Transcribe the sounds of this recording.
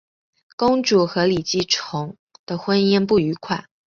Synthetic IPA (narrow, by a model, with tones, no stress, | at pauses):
kʊ˥ŋʈ͡ʂu˨˩xɤ˧˥li˨˩t͡ɕi˥˩ʈ͡ʂʰʊ˧˥ŋ | d̪̥ə˧xwə˥nɛ˥np̬u˥˩y˧˥kʰwa˥˩˦